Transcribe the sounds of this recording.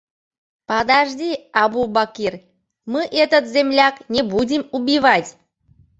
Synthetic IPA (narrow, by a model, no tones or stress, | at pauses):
pɑd̪aʒdʲiɑbubakʲirʲ | mɨʔɛt̪ət̪zʲemlʲaknʲebudʲimubʲiβatʲ